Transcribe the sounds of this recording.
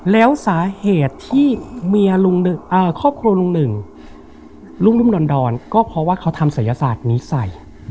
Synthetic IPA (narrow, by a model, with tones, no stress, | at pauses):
lɛː˦˥wsaː˩˦heː˨˩t̪ʰːiː˥˩mi˧ɐlu˧ŋnɯ˨˩ʔəː˧˩kʰɔː˥˩p̚kʰɾu˧ɐlu˧ŋnɯ˨˩ŋ | luː˥˩mlu˥˩mdɔː˧ndɔː˧nkɔː˥˩pʰɾɔ˦˥waː˥˩kʰa˦˥wt̪ʰa˧msa˩˦ja˧saː˨˩t̪̚niː˦˥sa˨˩j